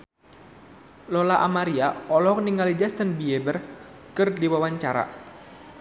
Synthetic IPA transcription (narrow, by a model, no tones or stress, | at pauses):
lɔlaʔamaɾiaɔlɔkniŋalid͡ʒast̪ənbiɛbər | kɨrdiwawaɲt͡ʃaɾa̰